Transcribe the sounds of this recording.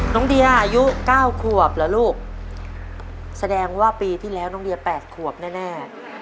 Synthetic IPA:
nɔ˦˥ŋdi˧ɐʔa˧ju˦˥kaː˥˩wkʰu˨˩əp̚lɛ˦˥luː˥˩k̚ | sa˧dɛː˧ŋwaː˥˩piː˧t̪ʰiː˥˩lɛː˦˥wnɔ˧˦ŋdi˧ɐpɛː˨˩t̪̚kʰu˨˩əp̚nɛː˥˩nɛː˥˩

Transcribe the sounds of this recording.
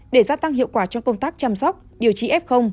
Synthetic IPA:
ɗe˧˩zaː˧t̪a˧ŋɦḭ˧˨əwkwaː˧˩t͡ɕɔ˧ŋ͡mkə˧wŋ͡mt̪aː˦˥k̚t͡ɕa˧msɔ˦˥k͡p̚ɗi˨˩əwt͡ɕi˧ʔɛ˦˥p̚xə˧wŋ͡m

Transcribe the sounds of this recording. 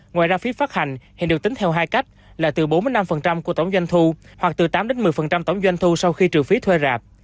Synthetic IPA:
ŋwaː˨jzaː˧fi˨˦faː˦˥t̚ha˨˩ŋ̟hi˨nɗɨ˨˩ək̚t̪ï˨˦ŋt̪ʰɛ˧wɦaː˧jka˦˥jk̟̚laː˨˩t̪ɨ˨˩ɓo˨˦nmɨ˧əjna˧mfə˨˩nt͡ɕa˧mku˧˩ət̪ə˧˩wŋ͡mzwa˧jŋ̟t̪ʰu˧hwa˨˩k̚t̪ɨ˨˩t̪aː˨˦mɗe˨˦nmɨ˨˩əjfə˨˩nt͡ɕa˧mt̪ə˧˩wŋ͡mzwa˧jŋ̟t̪ʰu˧sa˧wxi˧t͡ɕɨ˨˩əfi˨˦t̪ʰwe˧zaː˨˩p̚

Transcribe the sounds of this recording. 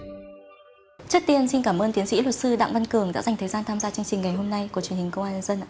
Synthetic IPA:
t͡ɕɨ˦˥k̚t̪i˧ənsi˧nkaː˧˩mʔəː˧nt̪i˨˦ənsḭ˧˥lwə˨˩t̚sɨ˧ɗa̰˧˨ŋva˧nkɨ˧˩əŋɗa̰ː˧˥za˨˩jŋt̪ʰə˨˩jzaː˧nt̪ʰaː˧mzaː˧t͡ɕŋt͡ɕï˨˩ŋ̟ŋa˨˩jɦo˧mna˧jku˧˩t͡ɕwənhï˨˩ŋ̟kə˧wŋ͡mʔaː˧ɲə˧nzə˧n

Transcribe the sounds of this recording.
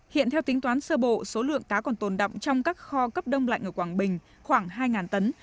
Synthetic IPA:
hḭ˧˨nt̪ʰɛ˧wt̪ï˨˦ŋ̟t̪waː˨˦nsəː˧ɓo̰˧˨so˨˦lɨ̰˧˨əŋkaː˨˦kɔ˨˩nt̪o˨˩nɗa̰˧˨wŋ͡mt͡ɕɔ˧wŋ͡mkaː˦˥k̚xɔ˧kə˦˥p̚ɗə˧wŋ͡mla̰˧˨ŋ̟ʔəː˧˩kwaː˧˩ŋɓï˨˩ŋ̟ | xwaː˧˩ŋɦaː˧jŋaː˨˩nt̪ə˨˦n

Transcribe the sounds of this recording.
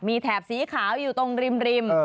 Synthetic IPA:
miː˧t̪ʰɛː˨˩p̚siː˨˩˦kʰaː˩˦wjuː˨˩t̪o˧ŋɾi˧mɾi˧mː˧

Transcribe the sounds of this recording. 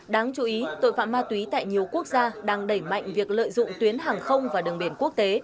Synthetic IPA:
ɗaː˨˦ŋt͡ɕu˨˦ʔi˨˦t̪o̰˧˨jfa̰ː˧˨nmaː˧t̪wi˨˦t̪a̰ː˧˨jɲi˨˩əwku˦˥ək̚zaː˧ɗaː˧ŋɗə˧˩jma̰˧˨jŋ̟vi˨˩ək̚lə̰ː˧˨jzʊ̰˧˨ŋ͡mt̪wi˨˦ənɦaː˨˩ŋxə˧wŋ͡mvaː˨˩ɗɨ˨˩əŋɓi˧˩ənku˦˥ək̚t̪e˨˦

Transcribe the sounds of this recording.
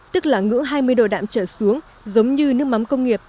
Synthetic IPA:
t̪ɨ˦˥k̚laː˨˩ŋɨ̰˧˥əŋɦaː˧jmɨ˧əjɗo̰˧˩ɗa̰ː˧˨mt͡ɕəː˧˩su˨˦əŋ | zə˨˦wŋ͡mɲɨ˧nɨ˦˥ək̚ma˨˦mkə˧wŋ͡mŋi˨˩əp̚

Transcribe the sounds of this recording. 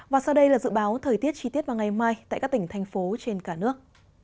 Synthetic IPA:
vaː˨˩sa˧wɗə˧jlaː˨˩zɨ̰˧˨ɓaː˨˦wt̪ʰəː˨˩jt̪i˦˥ət̚t͡ɕi˧t̪i˦˥t̚vaː˨˩ŋa˨˩jmaː˧jt̪a̰˧˨ka˦˥kt̪i˧˩ŋ̟t̪ʰɛ˧jŋ̟fo˨˦t͡ɕe˧nkaː˧˩nɨ˦˥ək̚

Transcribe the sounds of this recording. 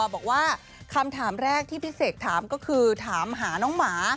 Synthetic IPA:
bɔː˨˩k̚waː˥˩ | kʰa˧mt̪ʰaː˩˦mɾɛː˥˩k̚t̪ʰiː˥˩pʰi˦˥seː˨˩k̚t̪ʰaː˩˦mkɔː˥˩kʰɯː˧t̪ʰaː˩˦mɦaː˩˦nɔː˧˦˥ŋmaː˩˦

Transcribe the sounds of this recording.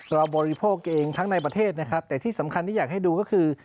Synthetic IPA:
kɾɔː˧bɔː˧ɾi˦pʰoː˥˩k̚ʔeː˧ŋt̪ʰa˦˥ŋna˧jp̬ɾa˧t̪ʰeː˥˩t̪̚na˦˥kʰɾa˦˥p̚t̪ɛː˨˩t̪ʰiː˥˩sa˩˦mkʰa˧nt̪ʰiː˥˩jaː˨˩k̚ha˥˩jduː˧kɔː˥˩kʰɯː˧

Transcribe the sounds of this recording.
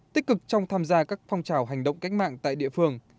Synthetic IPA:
t̪i˦˥k̟̚kɨ˨˩k̚t͡ɕɔ˧wŋ͡mt̪ʰaː˧mzaː˧kaː˦˥k̚fɔ˧wŋ͡mt͡ɕaː˨˩wɦa˨˩jŋ̟ɗə̰˧˨ŋ͡mka˦˥jk̟̚ma̰ː˧˨ŋt̪a̰ː˧˨jɗḭ˧˨əfɨ˧əŋ

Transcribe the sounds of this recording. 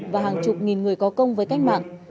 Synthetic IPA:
vaː˨˩ɦaː˨˩ŋt͡ɕʊ˨˩k͡p̚ŋi˨˩nŋɨ˨˩əjkɔ˨˦kə˧wŋ͡mvəː˨˦jka˦˥jk̟̚ɓa̰ː˧˨ŋ

